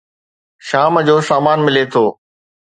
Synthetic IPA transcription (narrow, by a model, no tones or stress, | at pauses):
ʃaːmd͡ʑoːsaːmaːnmɪlet̪ʰoː